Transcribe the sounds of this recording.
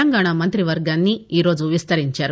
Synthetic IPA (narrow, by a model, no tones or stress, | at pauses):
lɐŋɡaːɳamɐnt̪ɾiʋɐɾɡaːnːiiːɾo̞ːd͡ʒuʋist̪ɐɾiɲt͡ʃaːɾu